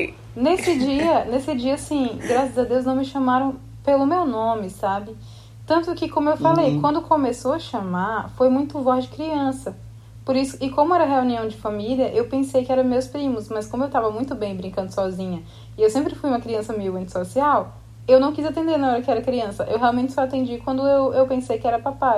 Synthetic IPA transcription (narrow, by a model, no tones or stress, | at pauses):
nesɪd͡ʒiɐnesɪd͡ʒiɐasĩɡɾasɐzɐd̪ewznɐ̃w̃mɪʃɐ̃maɾɐ̃w̃ | pelʊmewnõmɪsabɪ | t̪ɐ̃nt̪ʊkɪkõmʊewfalejkwɐ̃nd̪ʊkõmesowɐʃɐmaɾfojmũj̃t̪ʊvɔzd͡ʒɪkɾiɐ̃sɐ | poɾisʊɪkõmʊɛɾɐɦeuniɐ̃w̃d͡ʒɪfɐmiliɐʔewpẽsejkɪɛɾɐ̃mewspɾĩmʊsmɐskõmʊewt̪avɐmũj̃t̪ʊbẽj̃bɾĩŋkɐ̃nd̪ʊsɔzĩɲɐ | ɪewsẽmpɾɪfujũmɐkɾiɐ̃sɐmiwẽnt͡ʃ̪ɪ̥sosiaw | ewnɐ̃w̃kizat̪ẽnd̪eɾnɐɔɾɐkɪɛɾɐkɾiɐ̃sɐʔewɦeawmẽnt͡ʃɪ̥sɔat̪ẽnd͡ʒikwɐ̃nd̪ʊewewpẽsejkɪɛɾɐpapa